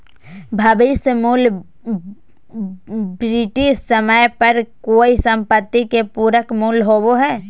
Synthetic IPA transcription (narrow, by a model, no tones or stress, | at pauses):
bʱabismuːl | bɾiʈiʃsəməjpəɾkoːisə̃mpət̪ːikepuːɾəkmuːlɦoːboɦɛː